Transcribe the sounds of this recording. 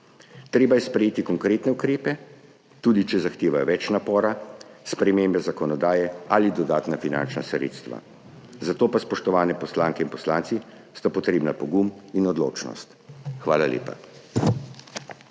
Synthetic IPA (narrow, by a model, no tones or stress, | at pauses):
t̪ɾeːbajɛspɾɛjeːt̪ikɔŋkɾeːt̪nɛukɾeːpɛ | t̪uːd̪it͡ʃɛzaxt̪eːʋajɔʋɛt͡ʃnapɔːɾaspɾɛmembɛzakɔnɔd̪aːjɛalid̪ɔd̪aːt̪nafina̰nt͡ʃna̰sɾḛːt̪st̪ʋa̰ | zat̪oːpaspɔʃt̪ɔʋaːnɛpɔslaːŋkɛinpɔslaːnt̪si | st̪apɔt̪ɾeːbnapɔɡuminɔd̪lo̰ːt͡ʃnɔ̰st̪xʋaːlalḛːpa̰